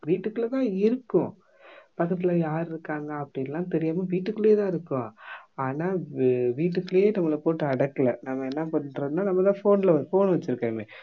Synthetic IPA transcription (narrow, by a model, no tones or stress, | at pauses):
ʋiːʈːɯkːɯlɐt̪ãːɪɾɯkːʊ̃ | pɐkːɐt̪̬ːɪlɐjaːɾɪɾɯkːaːŋɡɐɐpːɐɽɪɛlːãːt̪ɛɾɪjaːmɐʋiːʈːɯkːɯɭeːt̪ãːɪɾɯkːʊ̃aːnaːʋiːʈːɯkːɯljeːnɐmːɐɭɐpoːʈːɯɐɽɐkːɐlɐnɐmːɐɛnːapɐɳːɾɐðɯnːaːnɐmːɐt̪ãːfoːnɪlɐfoːnʋɐt͡ʃːɪɾɯkːẽːŋe